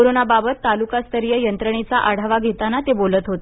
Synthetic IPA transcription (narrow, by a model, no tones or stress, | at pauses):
oɾonababət̪ːalukast̪ʰəɾjəjənt̪ɾəɳet͡saʔaɽ̤aʋaɡʱet̪anat̪ebolət̪ɦot̪e